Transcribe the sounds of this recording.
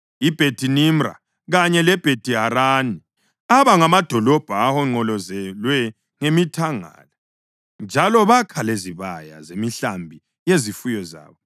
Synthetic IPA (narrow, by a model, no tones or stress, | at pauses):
ib̥ʱed̥ʱinimra̰ | ɣaɲɛlɛb̥ʱed̥ʱiɦaɾani | aβaŋamad̥ʱɔlɔb̥ʱaːhɔŋ͡ǀɔlɔzɛlwɛ | ŋemitʰaŋa̰ːla | nd͡ʒʱalɔβakʰaleziβaja̰zemiɬambʱi | jezifujɔza̰ːβɔ